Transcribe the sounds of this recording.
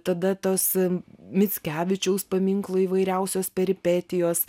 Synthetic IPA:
t̪ɐd̪ɐt̪oːsmʲɪt͡s̪ʲkʲæːʋʲɪt͡ʃʲɛʊspɐmʲɪŋklˠoːiːʋɐɪɾʲɛʊsʲoːspʲɛɾʲɪpʲɛt̪ʲɪjoːs

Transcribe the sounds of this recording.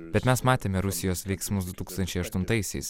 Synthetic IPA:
bʲɛt̪mʲɛsmɑːt̪ʲeːmʲɛɾʊsʲɪjoːsʋʲɛɪksmʊsd̪ʊt̪uːkst̪ɐnʲt͡ʃʲɛɪɐʃt̪ʊnt̪ɐɪsʲɛɪs

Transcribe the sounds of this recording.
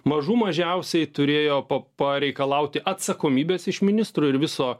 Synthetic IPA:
mɐʒuːmɐʒʲɛʊsʲɛɪt̪ʊɾʲeːjoːpɐpɐɾʲɛɪkɐlˠɐʊt̪ʲɪʔɐt̪sɐkoːmʲiːbʲeːsɪʃmʲɪnʲɪst̪ɾuːɪɾʋʲɪsoː

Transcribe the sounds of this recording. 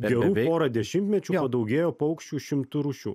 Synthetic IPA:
ɡʲɛɾuːpoːɾɐd̪ʲɛʃʲɪmʲt̪ʲmʲɛt͡ʃʲuːppɐd̪ɐʊɡʲeːjoːpɐʊkʃʲt͡ʃʲuːʃʲɪmt̪ʊɾuʃʲṵː

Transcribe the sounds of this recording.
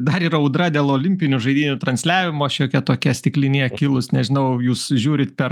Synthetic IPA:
d̪ɐɾiːɾɐɔʊd̪ɾɐd̪ʲeːlˠoːlʲɪmʲpʲɪnʲʊʒɐɪd̪ʲiːnʲʊt̪ɾɐnʲsʲlʲæːʋʲɪmoːʃʲoːkʲɛt̪oːkʲɛsʲt̪ʲɪklʲɪnʲiːkʲɪlˠʊsnʲɛʒʲɪnɐʊjuːsʒʲuːɾʲɪt̪pʲɛɾ

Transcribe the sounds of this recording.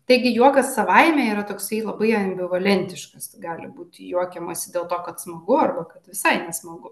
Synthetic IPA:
t̪ɐɪɡʲɪjuɔkɐsːɐʋɐɪmʲɛːiːɾɐt̪oːksɐɪlˠɐbɐɪɐmʲbʲɪʋɐlʲɛnʲt̪ʲɪʃkɐstɡɑːlʲɪ̰buːt̪ʲjuɔkʲɛmɐsʲɪd̪ʲeːlˠt̪oːkɐt̪smɐɡʊɐrbɐkɐt̪ʋʲɪsɐɪnʲɛsmɐɡʊ

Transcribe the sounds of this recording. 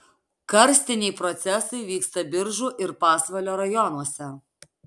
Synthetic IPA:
kɐɾʲsʲt̪ʲɪnʲɛɪpɾɔt̪sʲɛsɐɪʋʲiːkst̪ɐbʲɪɾʒuːʔɪɾpɑːsʋɐlʲoːɾɐjɔnuɔsʲɛ

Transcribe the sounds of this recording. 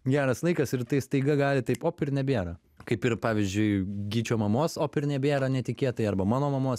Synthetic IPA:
ɡʲæːɾɐslˠɐɪkɐsɪɾt̪ɐɪst̪ɐɪɡɐɡɑːlʲɪt̪ɐɪpoːpʲɪɾnʲɛbʲeːɾɐː | kɐɪpɪɾpɑːʋʲɪzʲd͡ʒʲʊɪɡʲiːt͡ʃʲoːmɐmoːsoːpʲɪɾnʲɛbʲeːɾɐːnʲɛt̪ʲɪkʲeɛt̪ɐɪɐɾbɐmɑːnoːmɐmoːs

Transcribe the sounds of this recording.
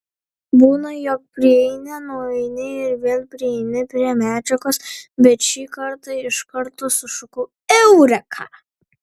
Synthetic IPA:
buːnɐjɔk̚pʲɾʲɪɛɪnʲɛnuɔɛɪnʲɪɪɾʋʲeːlʲˠpʲɾʲɪɛɪnʲɪpʲɾʲiɛmʲæːd͡ʒʲɛkoːsbʲɛt̪ʃʲiːkɐɾt̪ɐɪʃkɐɾt̪oːsʊʃʊkʊ | ɛʊɾʲɛkʰɑ̰ː

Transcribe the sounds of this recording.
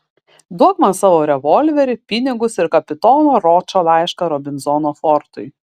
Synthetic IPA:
d̪uɔɡmɐsɑːʋoːɾʲɛʋɔlʲʋʲɛɾʲɪpʲɪnʲɪɡʊsɪɾkɐpʲɪt̪ɔːnoːɾɔːt͡ʃoːlˠɑˑɪʃkɐɾɔbʲɪnzɔnoːfɔɾt̪ʊɪ

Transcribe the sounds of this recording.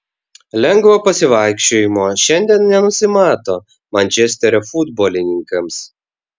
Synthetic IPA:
lʲɛŋɡʋoːpɐsʲɪʋɑˑɪkʃʲt͡ʃʲoːjɪmoːʃʲɛnʲd̪ʲiɛnnʲɛnʊsʲɪmɑːt̪oː | mɐnʲt͡ʃʲɛsʲt̪ʲɛɾʲofʊd̪boːlʲɪnʲɪŋkɐms

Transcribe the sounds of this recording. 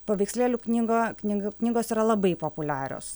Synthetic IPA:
poːʋʲɛɪksʲlʲeːlʲuknʲiːɡoːknʲiɡknʲiːɡoːsiːɾɐlˠɐbɐɪpoːpʊlʲæːɾʲo̰ːs

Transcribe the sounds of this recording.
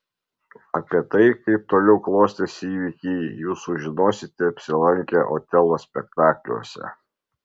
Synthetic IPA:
ɐpʲiɛt̪ɐɪkɐɪp̚t̪oːlʲɛʊklˠoːsʲt̪ʲesiːʋʲikʲiːjuːsʊʒʲɪnoːsʲɪt̪ʲɛɐpʲsʲɪlˠɐŋʲkʲɛʔo̰ːt̪ʲɛlˠoːsʲpʲɛkt̪ɑːklʲṵɔsʲɛ̰

